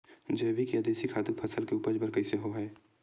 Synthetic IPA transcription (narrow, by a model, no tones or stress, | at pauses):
d͡ʒɛːʋikiad̪eːsikʰaːt̪uk̚pʰɐsəlkeuːpəd͡ʒbəɾkɐiseɦoɦɛː